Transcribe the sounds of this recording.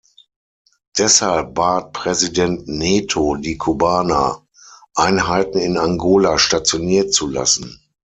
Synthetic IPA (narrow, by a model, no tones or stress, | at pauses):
d̥ɛshalp̚b̥aːt̚pʁ̥ɛzidɛntneːtʰodiːkʰubaːna̰ | ʔaɪnɦaɪtn̩ɪnaŋɡoːlaʃtat͡sjoniːɐt͡sula̰sn̩